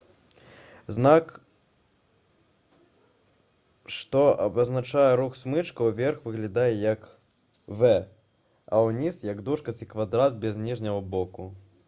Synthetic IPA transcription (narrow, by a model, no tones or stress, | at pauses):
znak | ʂt̪ɔʔɐbɐznat͡ʂajɛɾuxsmɨt͡ʂkɐwvʲɛrxvɨɣlʲad̪ajɛjɐk | vɛ | ɐ̰wnʲisjɐɡd̪uʂkɐt͡sʲikvad̪ɾad̪̚bʲɛznʲiʐnʲɐɣɐbɔku